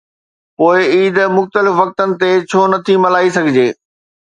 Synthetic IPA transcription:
poːɪiːd̪mʊxt̪əlɪfʋɐk̚t̪ənɪ̆t̪et͡ɕʰoːnɐt̪ʰimɐlaːisɐɡʱɪd͡ʑeː

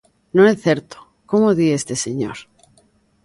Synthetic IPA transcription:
nõeθeɾt̪o̥ | komoðiest̪eseɲo̰ɾ

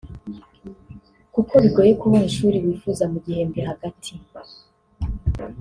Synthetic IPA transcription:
kukʰo̞βiɡoːje̞kuβuniʃuːɾiwiːfuzamuɡihe̞mbiɦaɡatʰi

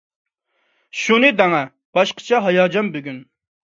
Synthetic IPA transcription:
ʃunɨd̪ɛŋɛ | b̥ɑʃqʰə̥t͡ʃʰɑɦɑjɑːd͡ʒɑnbøɡʲyn

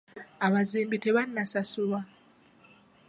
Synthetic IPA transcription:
aβaziːmbiteβanːasasuβa

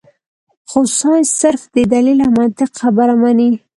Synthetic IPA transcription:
xosu̥sɑ̃sɪɾfd̪əd̪alilamɑt̪ɪqxabaɾamani

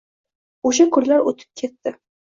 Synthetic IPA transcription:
oʃ̬akʰʊɾlaɾot̪ʰɪ̥p̚kʲʰe̞t̪ːɪ

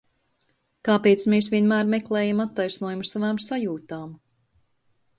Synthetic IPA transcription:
kaːpet̪smeːs̬vʲiɛnmæːɾmɛklˠɛːjamat̪ːajsnuɔjumussavaːmsajuːt̪aːm

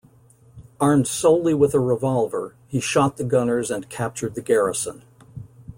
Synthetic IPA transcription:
ɑɹmd̥soʊlˠiwəðəɹɪvɑlˠvə˞ | hiʃɑt̪̚ðɨɡʌnə˞zɨ̃nkʰæp̚t͡ʃə˞d̪̚ðɨɡɛɹɨsə̰̃n

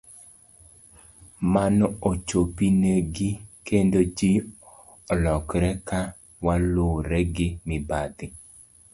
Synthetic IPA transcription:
manɔot͡ʃopineɡɪkʰendod͡ʒi | lɔkɾɛka | waloɾɛɡɪmɪbad̪ɪ

